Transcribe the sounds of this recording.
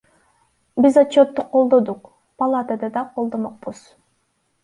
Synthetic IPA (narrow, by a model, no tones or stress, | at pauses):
bizat͡ʃːot̪ːuqʰːo̞lˠd̪od̪uq | pɐlˠat̪əd̪ɑd̪ɑqʰolˠd̪o̞moq̚buz̥